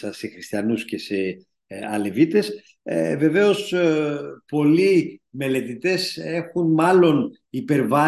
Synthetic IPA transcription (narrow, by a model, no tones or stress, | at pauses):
ɐse̞xɾist̪iɐnusce̞se | ɐle̞vit̪e̞s | ve̞ve̞o̞s | po̞lime̞le̞t̪it̪e̞se̞xunmɐlo̞n | ipe̞ɾvɐ